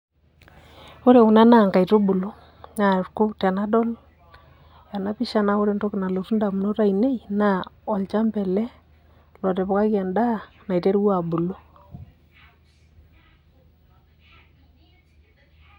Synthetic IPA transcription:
o˦ɾe˨u˨na˦na˦˨ŋka˨i˨to˦bu˨lo˦ | ɲa˨ɾkʊ˦ta˨na˦dɔ˦l | ja˨na˦pi˦ʃa˦na˦o˦ɾe˨nto˦kɪ˨na˨lo˨tu˦nda˨mu˨no˦ta˦ine˦jna˦ɔ˨lt͡ʃa˦mpɛ˨lɛ˦ | lɔ˨tɛ˨pɔ˨ka˦kja˨nda˦ | na˨i˨te˦ɾwa˨bu˨lo˦

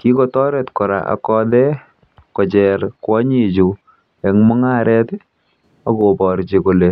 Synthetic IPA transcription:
ki˦kɔ˦tɔ˦ɾɛ˨tkɔ˨ɾa̰˨ʔa̰˨kɔ˧dɛ˦ | kɔ˨d͡ʒɛ˨ɾkwɔ˦ɲi˦d͡ʒu˨ | ɛ˨ŋmɔ˦ŋa˦ɾɛ˦t | a˨ɡo˨bɔ˨ɾt͡ʃi˨ko˨le˨

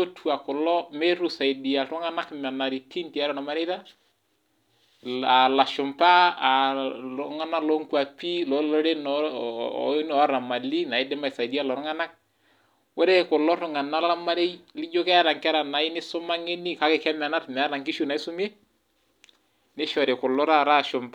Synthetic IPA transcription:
o˦tʰu˨a˨kʊ˨lɔ˦me˦ɾu˨sa˨jdi˨a˨tʊ˦ŋa˦na˦kma˨na˨ɾi˨tʰi˦nti˨a˦ɾɔ˦nɔ˨ma˦ɾe˦jta˦ | a˨la˨ʃʊ˨mpaː˦˨ | lɔŋa˦na˦lɔ˦ŋkwa˨pi˦lɔ˨˦lɔ˦ɾe˦nɔ̰˦ | nɔ˨˦ɾa˨ma˨li˦na˨i˦dɪ˦ma˨sa˨jdi˦a˦lɔ˨ɾʊ˦ŋa˦na˦k̚ | wɔ˦ɾe˦kʊ˨lɔ˦ɾʊ˨ŋa˨na˦la˦ma˦ɾe˦jlɪ˦d͡ʒo˦kɛ˦a˦ɾa˨ŋkɾa˨na˨ɪ˦nɪ˦sʊ˦ma˦ŋe˦ni˦ka˦kɪ˨kɛ˦ma˨na˦tmɛ˨a˦ɾa˨ŋki˦ʃu˦na˨i˦sʊ˦me˦ | nɪ˦ʃɔ˨ɾe˨kʊ˨lɔ˦ɾa˦˨ɾa˦ʃʊ˨mpa˦

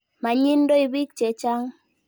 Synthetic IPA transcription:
ma˨ɲi˦n˦do˦i˨bi˦k̚t͡ʃɛ˨t͡ʃa˦ŋ

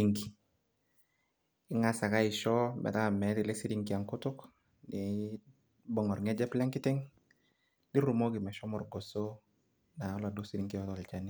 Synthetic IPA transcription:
iŋɡi˨ | ɪ˦ŋa˨sa˨ka˦ɪ˨ʃɔ˦mɛ̰˨ta˦˨mɛ˨˦tɪ˨lɛ˦si˦ɾi˨ŋkia˨ŋkʊ˦tʊk | nɛ˨ | bɔ˨ŋɔ˨rŋɛ˦d͡ʒɛ˦plɛ˦ŋkɪ˦tɛ˦ŋ | di˦ru˨mɔ˦kɪ˨mɛ˨ʃɔ˦mɔ˨rɡɔ˨so˦ | na˨ɔ˦la˨dʊ˦si˦ɾi˦ŋkijɔ˦tɔ˨lt͡ʃani˦

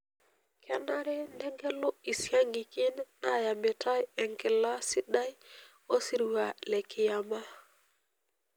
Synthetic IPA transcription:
kʰɛ˦na˦ɾɛ˦ndɛ˦ɡɛ˦lo˦i˨si˦a˦ŋɡi˨ki˦na˨ja˨mbɛ˨ta˦jɛ˨ŋkɛ˨la˦si˦ɗa˦j | o˦si˦ɾwa˨le˨ki˨ja˨ma˦

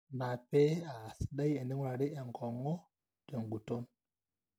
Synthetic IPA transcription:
ma˨pe˦a˨si̥˨ɗa˦je˨ni˦ŋwɾa˨ɾi˦e˨ŋ˨kʰo˨ŋo˦ | ke˨ŋɡu˨to˦n

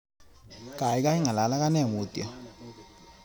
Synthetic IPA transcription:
kʼa˨i˦k̬ʼa˦i˦ŋa˨la˨la˦k̬a˦nɛ˦˨muː˨tʼi˨ɔ˨

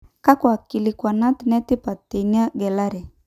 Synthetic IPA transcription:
ka˦kwa˨ki˨li˨kwa˨na˦tnɛ˦ti˦pa˨ti˨ni˦a˦ɡɛ˨la˦ɾɛ˨

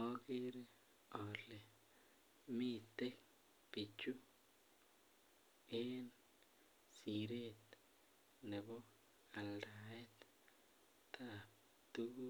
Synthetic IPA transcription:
o˦ɡi˦ɾe˦ | o˨le˨ | mi˦t̪e˦k̚ | pi˨t͡ʃu˦ | e˦n | si˨ɾe˦t̪ | ne˨bo˦ | a˨lɾa˨e˦t̪ | t̪ʰa˧p̚ | t̪u˦

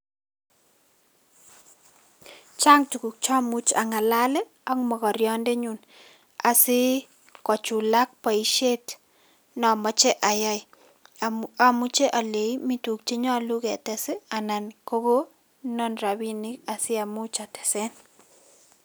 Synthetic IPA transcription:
t͡ʃa˦ŋtu˨ku˨k̚t͡ʃa˦mu˦t͡ʃa̰˨ŋa˨la˦lɛ˦ | ɔ˦ŋmɔ˨kɔ˨ɾjɔ˦nde˦ɲu˨n | a˨sɪ˦ | kɔ˨t͡ʃu˨la˦k̚pa˨i˨˦ʃe˦t | nɔ˨mɔ˦t͡ʃɛ˦ʔa˨ja˦ɪ˨ | a˨mu˦t͡ʃe˦ʔa˨le˨i˦mi˦tu˨k̚t͡ʃe˦ɲɔ˦˨lʊ˦ɡɛ˨tɛ˨sɛ˦a˨na˨nko˦ɡo˦ | nɔ˦nɾa˨bi˦ni˦ka˨sɪ˦a˨mu˦t͡ʃa˨tɛ̥˨se˦n

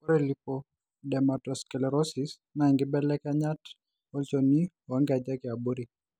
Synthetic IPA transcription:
ɔ˦ɾelipo | dɛ˨matɔskɛlɛ˨ɾɔsis | na˨ɛ˨ŋɡɪ˦bɛ˦lɛ˦kaɲa˦t | ɔ˦lt͡ʃoni˦ | wa˦ŋɡa˨d͡ʒa˦kɪ˨a˨bo˦ɾi˨

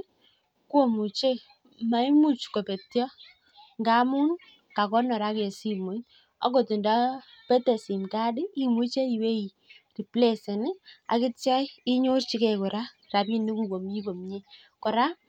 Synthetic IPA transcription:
kwo˦˨mu˨t͡ʃe˦ | ma˨i˦mu˦t͡ʃko˨pe˨tjɔ˦ | ŋɡa˦mu˦n | ka˨kɔ˦nɔ˨ɾa˦ke˨si˦mo˨˦n | ɔ̰˦ko˨ti˨nda˦ | pɛ˦te˨si˨mta˦dɪ˦i˦mu˦t͡ʃe˦i˨we˦i˨ | ti˨ple˦˨sɪ˨nɪ˦a̰˨kɪ˦t͡ʃa˦i˦ɲo˦rt͡ʃi˦kɛ˨kɔ˨ɾa˦ | ra˨bi˦ni˦ku˨ko˨mɲi˦ko˨mɲe˦ | kɔ˨ɾa˦

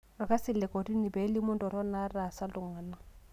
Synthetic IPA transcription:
rɔ˨ka˦sɪ˨lɛ˨ko˨di˦nɪ˨bɛ˨˦lɪ˦mʊ˦ndɔ˨ɾɔ˦na˦ra˨sa˦lʊ˨ŋa˨na˦˨

